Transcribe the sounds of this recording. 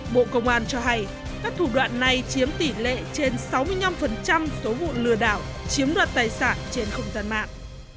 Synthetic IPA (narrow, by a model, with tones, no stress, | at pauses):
ɓo̰˧˨kə˧wŋ͡mʔaː˧˩nt͡ɕɔ˧ɦa˧j | kaː˦˥k̚t̪ʰu˧˩ɗwa̰ː˧˨nːa˨˩jt͡ɕi˨˦əmt̪i˧˩lḛ˧˨t͡ɕe˧nsa˨˦wmɨ˧əjna˧mfə˨˩nt͡ɕa˧mso˨˦vṵ˧˨lɨ˨˧˩əɗaː˧˩wt͡ɕi˨˦əmɗwa̰ː˧˨nt̪aː˨˩jsaː˧˩nt͡ɕe˧nxə˧wŋ͡mzaː˧nma̰ː˧˨nʔ